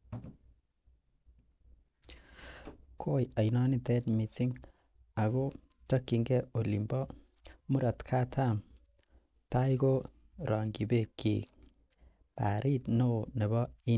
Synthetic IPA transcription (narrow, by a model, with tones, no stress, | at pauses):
kʰoː˦ja˨jna˦ni˦tɛ˦tmi˨si˦ŋ | a˨ɡo˦ | ta˦kːi˨ŋɡɛ˦o˨li˨mbɔ˦ | mu˦ɾa˨t̪kʰa˦tʰa˦m | ta˦iɡo˦ | ɾʔa˨ŋɡi˨be˦˨kːḭ˨ | pa̰˨ɾʔi˦tno˦ne˨bɔ˦i˦